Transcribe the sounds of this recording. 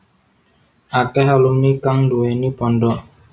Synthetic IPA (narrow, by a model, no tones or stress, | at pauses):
akɛɦalumnikaŋnduwɛnipɔndɔ